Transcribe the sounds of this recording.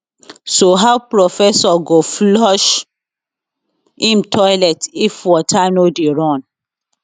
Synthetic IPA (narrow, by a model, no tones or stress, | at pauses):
soɦawpɹofɛsɔɡoflɔʃ | ĩmtʰɔjlɛtifwɔtʰanodeɹɔ̃n